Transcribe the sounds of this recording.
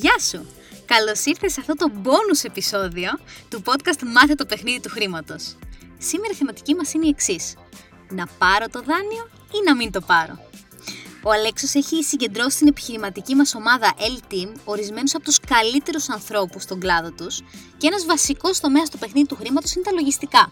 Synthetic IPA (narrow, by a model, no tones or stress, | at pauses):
ʝɐsu | kɐlo̞siɾθe̞sɐft̪o̞t̪o̞bo̞nuse̞piso̞ðio̞t̪upo̞t̪kɐst̪mɐθet̪o̞pe̞xniðit̪uxɾimɐt̪o̞ssime̞ɾɐiθemɐt̪icimɐsineieksis | nɐpɐɾo̞t̪o̞ðɐnio̞ | inɐmint̪o̞pɐɾo̞̰ | o̞ɐle̞kso̞se̞çisiɲɟe̞nd̪ɾo̞si̥t̪ine̞pi̥çiɾimɐt̪icimɐso̞mɐðɐʔelt̪imo̞ɾizme̞nusɐpo̞t̪u̥skɐlit̪e̞ɾusɐnθɾo̞pust̪o̞ɡlɐðo̞t̪usceenɐzvɐsiko̞st̪o̞me̞ɐst̪ope̞xniðit̪uxɾimɐt̪osine̞t̪ɐlo̞ʝist̪ikɐ